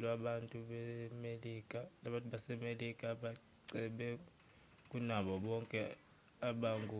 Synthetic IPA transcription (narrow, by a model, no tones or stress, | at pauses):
lwaɓantʼuɓɛmelikʼanaɓantʼuɓasɛmelikʼaɓa | ǀɛɓɛ | k̬ʼunaɓɔɓɔŋkʼɛ | aɓaŋɡʱu